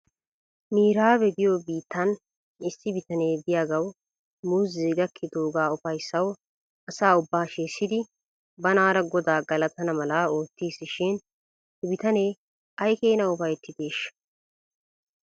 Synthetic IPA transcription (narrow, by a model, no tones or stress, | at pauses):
miːɾaːbɛd̪ɪjobiːt̪ːɐn | ɪsːɪbɪt̪ɐne̞ːbɪjaːɡɐw | muːziːɡɐkʰːɪd̪oːɡaːʊfɐjsːɐw | ɐsaːʊbːaːʃeːsːɪd̪ɪ | bɐnaːɾɐɡɔd̪aːɡɐlɐt̪ɐnɐmɐlaoːt̪ːiːsɪʃɪn | ɪbɪt̪ɐne̞ː | ʔɐjkeːnɐʊfɐjt̪ːɪd̪e̞ːʃːɐ̥